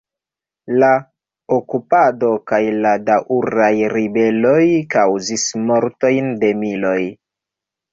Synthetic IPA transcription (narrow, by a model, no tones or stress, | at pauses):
la | okupado̞kajladaʔuɾajɾibe̞lo̞jkawzismo̞ɾto̞jnde̞milo̞j